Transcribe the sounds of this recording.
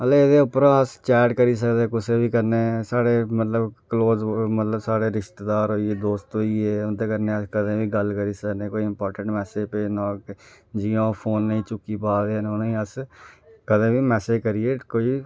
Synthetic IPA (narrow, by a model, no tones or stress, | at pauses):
əleːed̪eːʊpəɾãːəst͡ʃɛːɖkəɾiːs̬əkd̪eːkʊsẽːʋiːkəɾneːsaːɽeːmət̪ləbkəloːzmət̪ləbsaːɽeːɾɪʃt̪ed̪aːɾɦoːieːd̪oːst̪ɦoːieːʊnt̪eːkəɾneːəskəd̪ẽːʋiːɡəlkəɾiːsəkneːkoːiɪmpɔːɾʈəɳʈmɛːseːpeːnãː | d͡ʒiõːpʰoːnːəĩːt͡ʃʊkːiːpaːd̪eːnonõĩːəs | kəd̪ẽːʋiːmɛːseːd͡ʒkəɾieːkoːiː